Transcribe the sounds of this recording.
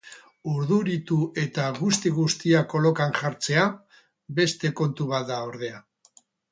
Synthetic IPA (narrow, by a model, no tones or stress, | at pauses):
uɾðuɾit̪uʔe̞t̪aɣust̪iɣust̪iako̞lo̞kanʝaɾt͡se̞a | be̞st̪e̞ko̞nt̪uβ̞at̪d̪aoɾðe̞a